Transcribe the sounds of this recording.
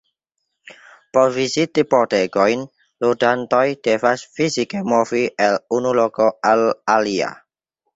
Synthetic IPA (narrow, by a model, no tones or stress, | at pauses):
poɾvizitipoteɡojn | ludantojd̥evasfizikemoviʔelunulokoalalia̰